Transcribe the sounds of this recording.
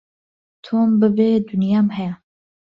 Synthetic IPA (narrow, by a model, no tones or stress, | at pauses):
t̪ʰoːmbɨbed̪unjaːmhɛja